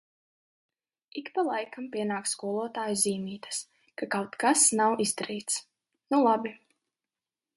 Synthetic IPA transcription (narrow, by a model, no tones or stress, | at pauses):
ikpalˠajkʰampʲiɛnaːkskuɔlˠuɔt̪aːjuziːmiːt̪ḁs | kakawt̪kasnawizd̪aɾiːt̪s | nulˠabi